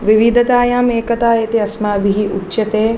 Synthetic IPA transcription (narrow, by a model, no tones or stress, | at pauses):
ʋiʋid̪ʱɐt̪aːjaːmeːkɐt̪aːjeːt̪iɐsmaɐbʱiɦiʔutːʃɐt̪eː